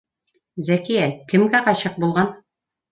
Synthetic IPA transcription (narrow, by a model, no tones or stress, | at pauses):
zækijækɘ̆mɡæqɑɕɤq̚bulˠʁɑn